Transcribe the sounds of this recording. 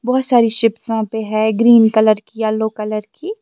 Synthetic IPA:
bɔːt̪saːɾiʃɪpsãpeɦɛ̃ːɡɾiːnkɐləɾkialːoːkɐləɾkiː

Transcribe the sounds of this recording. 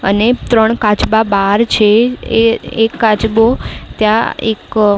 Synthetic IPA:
ə̰net̪ɾəɳkat͡ʃbabaɾt͡ʃʰeeekːat͡ʃbot̪jãḛk

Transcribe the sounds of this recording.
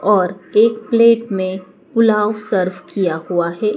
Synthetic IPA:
ɔːɾeːkpleːʈmẽ | kʊlaːwsəɾʋkijahuaɦɛː

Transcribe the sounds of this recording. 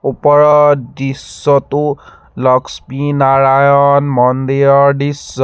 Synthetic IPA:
upɔɹɔdisːɔtu | lɔkspinaɹajɔnmɔnd̪ejɔɹdisːɔ

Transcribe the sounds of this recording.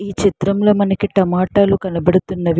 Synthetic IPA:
iːt͡ʃit̪ɾɐmlɐmɐnɐkiʈɐmaːʈaːlukɐnɐbɐɽut̪unːɐʋ

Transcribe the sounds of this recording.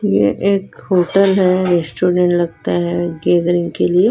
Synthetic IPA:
jḛʔekhoʈəlɦɛɾesʈoɖẽɳʈlɐɡt̪aɦɛɡed̪ɾĩŋɡkelie

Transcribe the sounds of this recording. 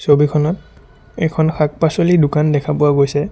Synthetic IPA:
sobikʰɔnɔt̚ | ɛkʰɔnxʰak̚pasolidʊkandɛkʰapʊwaɡojsɛ

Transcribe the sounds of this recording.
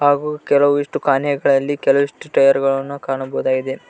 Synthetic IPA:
haːɡukɛlɐʋuiʂʈukaːnjɐɡɐɭɐlːikɛlɐʋiʂʈuʈɐjɐɾɡɐɭɐnːukaːɳɐbɔɦud̪aːɡid̪e

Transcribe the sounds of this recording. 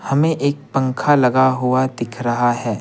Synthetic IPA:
hɐmẽʔeːk̚pɐ̃ŋkʰalɐɡaɦʊad̪ɪkʰɾɐɦaɦɛː

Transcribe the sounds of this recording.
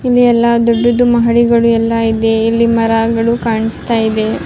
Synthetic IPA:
ilːiɛlːad̪oɖːud̪umɐɦɐɽiɡɐɭuɛlːɐid̪e̞ilːimɐɾaːɡɐɭukaːɳist̪aːjid̪e̞

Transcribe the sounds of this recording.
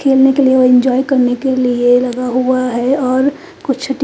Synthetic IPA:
kʰeːlnekelieoɪ̃ɲd͡ʒɔːjkɐɾnekelielɐɡaɦuaɦɛɔːɾ | kʊt͡ʃʰʈ

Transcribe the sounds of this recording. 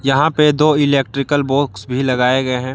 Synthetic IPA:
jɐɦãped̪oːɪleːk̚ʈɾɪkəlboːksbʱilɐɡaːeɡɐeɦɛ̃ː

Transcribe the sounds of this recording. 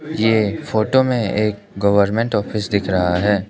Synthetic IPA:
jeːfoːʈomẽeːk | ɡɐʋəɾmɛ̃ɳʈɔːfɪsd̪ɪkʰɾɐɦaɦɛː

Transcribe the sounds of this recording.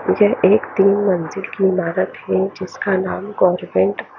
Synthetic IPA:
jɛʔeːkt̪iːnmɐ̃nzɪlkiɪmaːɾət̪ɦɛd͡ʒɪskanaːmɡɔːɾmẽɳʈ

